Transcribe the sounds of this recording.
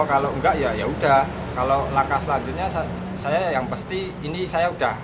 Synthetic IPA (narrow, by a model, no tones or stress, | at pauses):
kaloŋɡaʔjajaud̥a | kalolaŋkasəlaɲd͡ʒʊt̪̚ɲasa | sajaajaŋpast̪iːnisajaud̥ah